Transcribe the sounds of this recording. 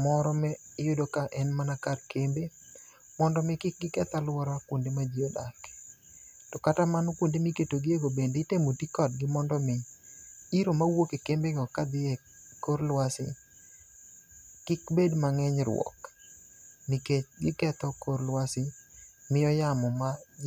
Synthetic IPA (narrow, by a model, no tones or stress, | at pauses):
mɔɾɔmɛjʊdokaʔɛnmanakarkembe | mɔndɔmɪkɪk̚ɡɪkɛt̪alwɔɾakwondemad͡ʒiodake̥ | tɔkatamanokondemiketoɡɪeɡobendeɪtemotikɔd̚ɡɪmɔndɔmɪ | iɾomawokekembeɡɔkad̪ɪɛ | koɾlwasɪ̰ | kɪkbedmaŋɛɲɾwɔ̰k | mikeɡɪkɛt̪ɔkoɾlwasɪmɪjɔjamɔma